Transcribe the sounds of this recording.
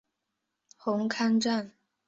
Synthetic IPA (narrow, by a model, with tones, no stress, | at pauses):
xʊ˧˥ŋkʰa˥nʈ͡ʂa˥˨n